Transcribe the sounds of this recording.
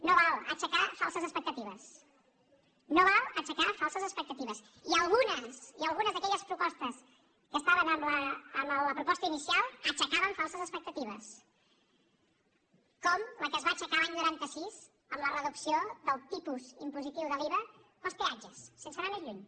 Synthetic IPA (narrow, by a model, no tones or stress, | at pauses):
noβalˠə̰t͡ʃəkafalˠsəzəspək̚t̪ət̪iβəs | noβalˠət͡ʃəkafalˠsəzəspək̚t̪ət̪iβ̞əs | iəlˠɣunəsiəlˠɣunəzðəkɛʎəspɾupɔst̪əs | kəst̪aβənəmləːmələpɾupɔst̪əinisialˠət͡ʃəkaβəɱfalˠsəzəspək̚t̪ət̪iβ̞əs | kɔmləkəzβat͡ʃəkalaɲnuɾant̪əsiz | əmlərəðupsioðəlˠt̪ipuzimpuzit̪iwðəliβə | pəsp̪ead͡ʒəsːensəɾamezʎuɲ